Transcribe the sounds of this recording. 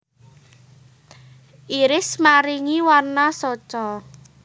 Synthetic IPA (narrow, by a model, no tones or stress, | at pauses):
ʔiɾɪsmaɾiŋiwarnasɔt͡ʃɔ